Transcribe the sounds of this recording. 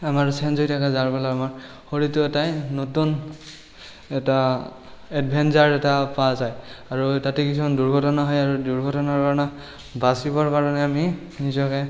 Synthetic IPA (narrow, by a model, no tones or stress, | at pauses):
amaɹsɛnzojtʰakazaɹpɛlaamaɹ | xoɹituɛtajnotun | ɛta | ɛdbʱɛnzaɹɛtapazajaɹutatɛkisɔanduɹɡʱɔtɔnaɦɔjaɹuduɹɡʱɔtɔnaɹkaɹɔna | basibɔɹkaɹɔnɛami | nizɔkɛ